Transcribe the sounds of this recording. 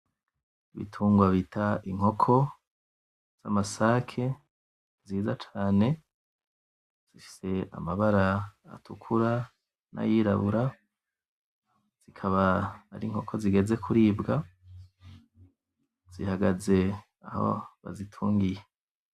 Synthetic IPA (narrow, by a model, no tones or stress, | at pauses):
iβḭtʰuːŋɡwaβitaʔiŋho̞kʰo̞ | z̥amasakʰe̞ | ziːzat͡ʃaːne̞ | z̥ifi̥se̞a̰maβaɾaa̰tʰukʰuɾa | na̰jiɾa̰βuɾa | z̥ikʰaβaːɾiŋho̞kʰo̞ziɡe̞ze̞kʰuɾiːbɡa | z̥ihaɡaze̞ | aho̰βa̰zitʰuːŋɡije